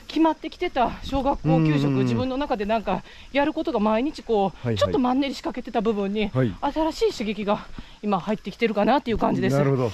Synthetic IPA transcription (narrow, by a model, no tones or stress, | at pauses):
kʲimat̪ːe̞kʲi̥t̪e̞t̪aɕo̞ːɡakːo̞ːkʲɨːɕo̞kɯ̟d͡ʑibɯ̟̃nːo̞nakad̪e̞nãŋka | jaɾɯ̟ko̞t̪o̞ɡamaiɲ̟it͡ɕi̥ko̞ːt͡ɕo̞t̪ːo̞mãnːe̞ɾʲiɕi̥kake̞t̪e̞t̪abɯ̟bɯ̟̃ɲ̟ːiat̪aɾaɕiːɕɨɡe̞kʲiɡa | imahait̪ːe̞kʲi̥t̪e̞ɾɯ̟kanat̪ːe̞iɯːkãɲ̟d͡ʑid̪e̞nɨɨɾɯodo